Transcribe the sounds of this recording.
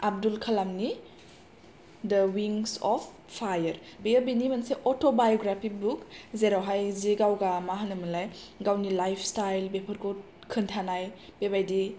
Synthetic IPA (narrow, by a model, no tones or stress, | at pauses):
ab̚dulkʰalamni | dəwiŋsɔpʰːajəɾbejəbinimanseʔɔtʰobajoɡɾapʰibukzeɾawɦajzeɡawɡamaɦanɯmɯlajɡawnilajpʰstajlbepʰəɾkʰɔ | kʰɯntʰanajb̥ebajdi